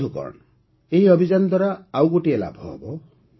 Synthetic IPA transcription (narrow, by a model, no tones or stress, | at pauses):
ukɔ̰ɾ̰ɽ̃ɔ | eɦiɔbʱid͡ʒanɔd̪ʱwaɾaːwɡoʈiela̰bʱɔɦɔ̰bɔ